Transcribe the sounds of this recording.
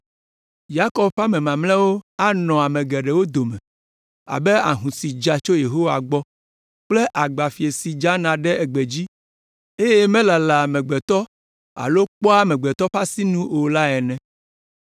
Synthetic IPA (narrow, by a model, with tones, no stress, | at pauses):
ja˦kɔ˦bɸa˦mɛ̃˨mã˨mlɛ̃˦wo˦a˦nɔ̃˨a˨mɛ̃˨ɡɛ˨ɖɛ˨wo˦d̪o˨mɛ̃˨ | a̰˨be˦a̰˨ɦũ˨si˨d͡ʒa˨t͡ʃo˦je˨ɦo˦wa˨ɡ͡bɔ˦ | k͡ple˦ʔa˨ɡ͡ba˨fi˨e˨si˨d͡ʒa˦nã˨ɖɛ˦ɛ˨ɡ͡be˨d͡ʑi˦ | e˦jɛ˦mɛ̃˦la˨la˨mɛ̃˨ɡ͡bɛ˨t̪ɔ˦ | a̰˨lo˦k͡pɔ˦a˦mɛ̃˨ɡ͡bɛ˨t̪ɔ˦ɸa˦si˦nũ˦o˨la˦ɛ˨nɛ̃˨